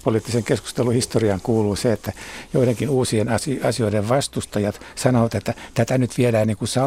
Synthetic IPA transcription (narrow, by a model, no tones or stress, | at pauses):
poliːt̪ːiseŋkesku̥st̪eluhist̪oriɑŋkuːluːseet̪ːæjoiɾeŋkinuːsienɑsiɑsioiɾeʋʋɑst̪ust̪ɑjɑt̪sɑnoʋɑt̪et̪ːæt̪æt̪ænyt̪ʋiedæːnniːŋkusɑ